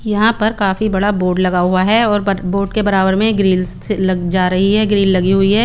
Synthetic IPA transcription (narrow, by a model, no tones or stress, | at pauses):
jɐɦãpɐɾkaːfibɐɽaboːɖlɐɡaɦʊaɦɛɔːɾboːʈkebɐɾaːʋəɾmẽɡɾiːlselɐɡd͡ʒaːɾɐɦiɦɛɡɾiːlːɐɡiɦʊiɦɛː